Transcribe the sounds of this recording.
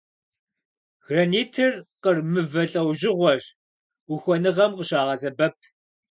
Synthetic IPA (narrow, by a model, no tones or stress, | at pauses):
ɣrɐniːtʰɨrqərmɨvɐɬʼɐwʒɪʁʷɔʒ | ʊxʷɔnɨʁɐmqəɕaːʁɐzɐbɐp̚ʰ